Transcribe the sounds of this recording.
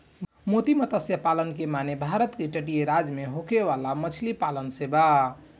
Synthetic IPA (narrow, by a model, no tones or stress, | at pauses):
mot̪imət̪əsjəpalənkemanebʱaɾət̪keʈəʈijeɾad͡ʒmeɦokeʋalamət͡ʃʰlipalənseba